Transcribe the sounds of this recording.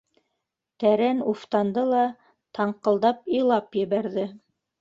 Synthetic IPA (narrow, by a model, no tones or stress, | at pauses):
t̪æɾænuft̪ɑnd̪ɤlˠɑ | t̪ɑɴqɤ̆lˠd̪ɑpilˠɑpjɘ̆βæɾðɘ